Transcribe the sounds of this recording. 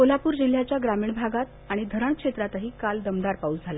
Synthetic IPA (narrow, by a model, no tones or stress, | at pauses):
kolapuːɾd͡ʑil̤ːjat͡ɕjaɡɾamiːɳbʱaɡat̪̚ | aɽ̃id̪ʱəɾəɳkʂet̪ɾat̪əɦiːkald̪əmd̪aɾpauːd͡zʱala